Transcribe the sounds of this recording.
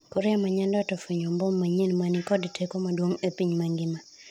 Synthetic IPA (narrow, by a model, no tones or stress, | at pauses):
koɾamaɲɛndɔtɔfiɲɔmbɔmːaɲenmanɪkɔdtʰekomadwoŋepiɲmaŋɡɪma